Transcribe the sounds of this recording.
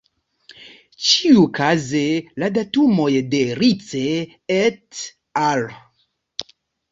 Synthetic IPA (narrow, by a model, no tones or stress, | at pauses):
t͡ʃiukazeladatumo̞jde̞ɾit͡se | et | al